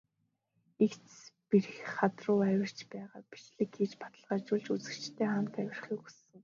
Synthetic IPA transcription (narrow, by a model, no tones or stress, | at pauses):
ikt͡sspirxχat̪rʊːæwʲɪ̆r̥t͡ɕpæːʁaːpi̥t͡ɕɮɘ̆kxiːt͡ɕpḁt̪ə̆ɮʁaːt͡ɕʊːɮt͡ɕut͡sɘ̆kt͡ɕt̪ʰeːχam̥t̪æwʲɪ̆rχiːkusɘ̆ŋ